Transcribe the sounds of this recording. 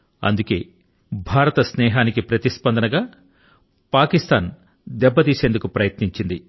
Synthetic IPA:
ɐ̰nd̪uke̞ː | bʱaːɾɐt̪ɐsnɛːɦaːnikipɾɐt̪ispɐnd̪ɐnɐɡaː | paːkist̪ʰaːn | d̪ɛbːɐt̪iːse̞ːnd̪ukupɾɐjɐt̪niɲt͡ʃind̪i

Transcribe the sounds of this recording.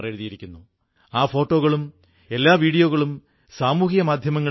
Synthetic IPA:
reɻuðijiɾikʲːunːu | aːfo̞ːʈːo̞ːɣɐɭum | e̞lːaːʋiːɽijo̞ːɣɐɭum | saːmuːhjɐmaːd̪ʱjɐmɐŋːɐ

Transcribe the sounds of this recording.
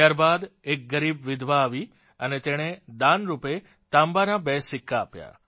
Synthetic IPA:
aɾbad̪ek̚ɡəɾibʋɪd̪ʱʋaːʋi | ənet̪eɽ̃ed̪anɾupe | t̪ambanabɛsɪkːaːpja̰

